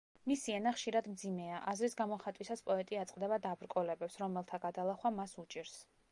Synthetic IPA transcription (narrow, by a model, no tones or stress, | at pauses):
misiɛnaχʃiɾad̪md̪zimɛaʔazɾisɡamɔχat̪ʼwisaspʼɔɛt̪ʼiat̪sʼqʼd̪ɛbad̪abɾkʼɔlɛbɛpsɾɔmɛlˠt̪ʰaɡad̪alˠaχwamasut͡ʃʼiɾs